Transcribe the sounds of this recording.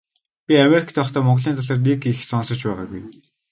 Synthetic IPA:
pʲiameɾikʰt̪ʰæːɔχt̪ʰæːmɔɴʁɮiːnt̪ʰɔɮaːrnikixsɔnsɞ̆t͡ɕpæːʁa̰ːɡuj

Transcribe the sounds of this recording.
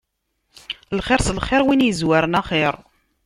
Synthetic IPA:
lχɪɾslχɪɾˤwinjəzwaɾənaχeɾˤ

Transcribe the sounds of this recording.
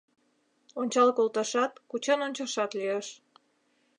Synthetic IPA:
onʲt͡ɕɑlkolt̪ɑʃɑt̪kut͡ɕɑnonʲt͡ɕɑʃɑt̪lieʃ

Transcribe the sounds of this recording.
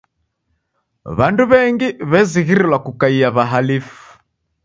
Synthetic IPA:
βanduβɛŋɡiβɛziɣiɾilwakukaiaβaɦalifu̥

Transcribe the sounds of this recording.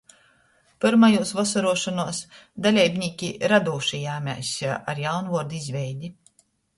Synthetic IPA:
pɨɾmajuɔsvɔsɔɾuɔʃɔnuɔsd̪alʲɛjbʲnʲiːkʲiɾad̪uːʃijaːmʲa̰jsaʔaɾjawnvuɔɾd̪izvʲɛjd̪ʲi

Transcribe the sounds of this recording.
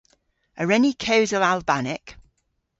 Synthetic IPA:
əɹɛnikʰəʊzəlalˠbanɪk

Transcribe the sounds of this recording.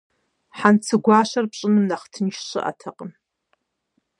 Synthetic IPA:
ħant͡sʰɨɡʷɑːɕɐrpɕʼɨnɨmnaχtʰɨnʃɕɨ̰ʔa̰tʰɐqʼən

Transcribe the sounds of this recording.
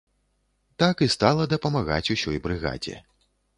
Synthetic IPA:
t̪akɨst̪alˠɐd̪ɐpɐmaɣa̰t͡sʲusʲɔjbɾɨɣa̰d͡zʲɛ̰

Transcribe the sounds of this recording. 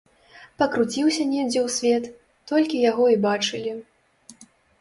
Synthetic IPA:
pɐkɾut͡sʲiwsʲɐnʲɛd͡zʲɛwsʲvʲɛt̪ː | ɔlʲkʲijaɣɔibat͡ʂɨlʲi

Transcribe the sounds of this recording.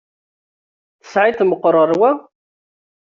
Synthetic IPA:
θə̥sʕit̪məqːɾˤəɾˤwæ

